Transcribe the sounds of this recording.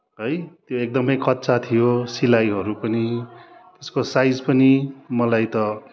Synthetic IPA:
ɦʌjt̪joek̚d̪ʌmʌjkʌt̪ːsat̪ʰijosilajɦʌɾupʌnit̪eskosajd͡zpʌnimʌlajt̪ʌ

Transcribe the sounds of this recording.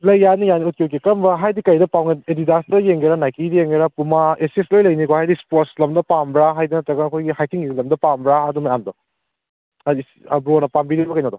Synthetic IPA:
lɐjːanijaniut̚kekikɐmbɐɦajdikɐjdɐpawɡeedidastɐjeŋɡeɾanajkidjeŋɡeɾapumaeseslojlɐjnikohajdispot̚slɐmdɐpambɾaɦajdɐnɐtɐɡɐnɐkʰojɡihajkiŋiɡilɐmdɐpambɾaɐdumajando | adi | ɐ̰bɾonɐpambiɾibɐkɐjnodɔ

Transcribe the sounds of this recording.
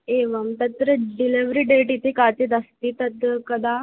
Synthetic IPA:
eʋəmt̪ət̪ɾəɖiliʋɾiːɖeʈit̪ʰekat͡ɕed̪ast̪iːt̪ət̪əkəd̪ʱa

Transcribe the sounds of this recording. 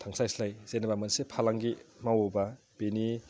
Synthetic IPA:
t̪ʰaŋsajslajz̥enbamɐnsepʰalaŋɡimawoba | b̥eni

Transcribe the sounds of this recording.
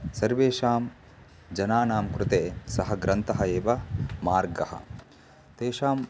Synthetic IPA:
sɐɾʋeːʃaːm | d͡ʒɐnaːnaːmkɾʊt̪eːsɐɦɐɡɾɐnt̪ɐɦɐeːʋɐmaːɾɡɐhɐ̰ | t̪eːʃaːm

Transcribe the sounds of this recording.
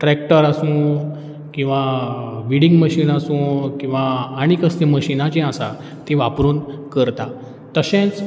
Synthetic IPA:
ʈɾɛkʈəɾasũː | kĩw̃ʋaʋiɽiŋɡməɕiːnasũːkĩw̃ʋaːɽ̃ikəst̪ĩməɕinat͡ɕẽasa | t̪ĩʋapɾuːnkəɾt̪a | t̪əɕẽt͡s

